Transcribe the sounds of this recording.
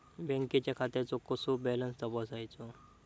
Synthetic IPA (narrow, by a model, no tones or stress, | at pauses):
bɛ̃ŋket͡ɕjakʰat̪jt͡sɔkəsobɛlənsd̪əbəsajt͡sɔ